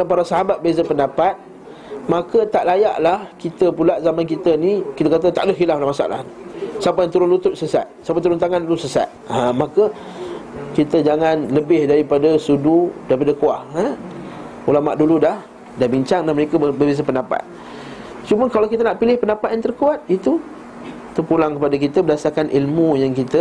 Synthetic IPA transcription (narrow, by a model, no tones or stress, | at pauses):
apaɾasaɦabat̪̚bəbez̬apəndapat̪̚ | makət̪aʔlaja̰ʔlahkit̪əpulaʔzamankit̪ənikit̪əkat̪̬ət̪a̰ʔdəxilaflahmasa̰ʔla̰nsapajaŋt̪əɾʊnlut̪ʊt̪̚səsa̰t̪̚sapət̪əɾʊnt̪aŋãnulusəsa̰t̪̚amakə | kit̪əd͡ʒaŋanləbɪhdaɾipadasududaɾipadakuaha | ulama̰ʔduludah | dahbiɲt͡ʃaŋdaməɾekabəbəbis̬apəndapa̰t̪̚ | t͡ʃuməkalawkit̪ənaʔpilɪhpəndapat̪̚jaŋt̪ərkuat̪̚it̪u | t̪ərpulaŋkəpadakit̪əbədasarkanʔilmujaŋkit̪ə